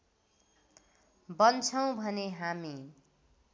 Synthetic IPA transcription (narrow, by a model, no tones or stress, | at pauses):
bʌnt͡sʰʌw̃bʱʌneɦami